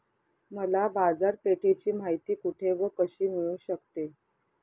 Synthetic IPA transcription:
məlabad͡zaɾpeʈʰet͡ɕiːm̤ajt̪iːkuʈʰeʋəkəɕiːmiɭuːɕəkt̪e

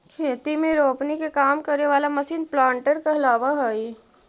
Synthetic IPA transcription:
kʰeːt̪imẽɾoːpnikekaːmkəɾneʋaːlamɐsiːnplãːɳʈəɾkaɐlaːʋaɦoi

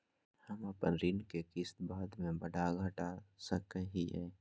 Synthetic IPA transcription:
həmɐpənɾɪnkekɪst̪baːd̪mẽbəɖaɡʱəʈasəkəɦiɦɛ̰ː

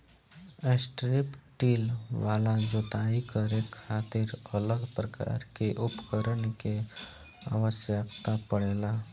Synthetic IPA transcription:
esʈɾɪpʈiːlʋaːlad͡ʒot̪aikəɾekʰaːt̪ɪɾələɡpɾəka̰ːɾkeʔʊpkəɾənke | a̰ʋəsjəkt̪apəɽeːla

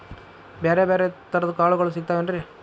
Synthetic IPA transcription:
beːɾebeːɾet̪ɐɾɐd̪ɐkaːɭuɣɐɭus̬iɡ̚t̪aːʋeɐnɾi

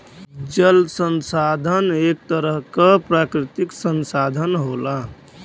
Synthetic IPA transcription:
d͡ʒəlsənsad̪ʱənek̚t̪əɾəɦkəpɾakɾɪt̪iksənsad̪ʱənɦola

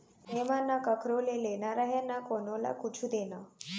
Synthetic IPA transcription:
ɦemanːakəkʰɾolelenaɾaɦenakonola̰kut͡ʃʰud̪ena

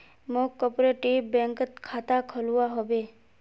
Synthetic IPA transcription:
mokːɔpɾeʈibɛ̃ːŋkət̪kʰaːt̪akʰəluaɦobeː

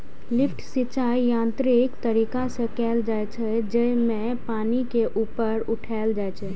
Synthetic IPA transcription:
lɪpʰʈsit͡ʃaːijãːnt̪ɾɪkt̪əɾiːkasẽkɛːld͡ʒaːet͡ʃʰɛd͡ʒɛmẽ | paːnikeʔuːpəɾʊʈʰaɪld͡ʒaːjt͡ʃʰɛ

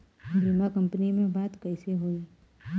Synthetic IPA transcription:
bɾimakɐ̃mpənimẽbaːt̪kɐɪseɦoiː

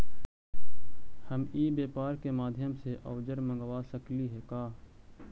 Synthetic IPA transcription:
həmiːbeːpaːɾkemaːd̪ʱjəmseʔɔːd͡ʒəɾmə̃ŋɡʋaːsəkliɦɛkaː

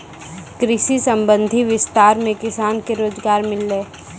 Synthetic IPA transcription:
kɾɪʃisə̃mbə̃nd̪ʱiʋɪst̪aːɾmẽkɪsaːnkeɾoːzɡaːɾmɪlːeː

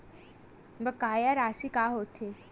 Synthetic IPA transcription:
bəkːajaɾasikaɦot̪ʰe

